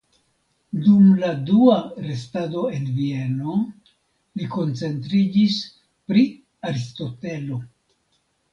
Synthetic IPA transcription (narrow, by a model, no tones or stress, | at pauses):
dumladuaɾe̞stado̞e̞nvie̞no̞ | liko̞nt͡se̞ntɾid͡ʒis | pɾi | aɾisto̞te̞lo̞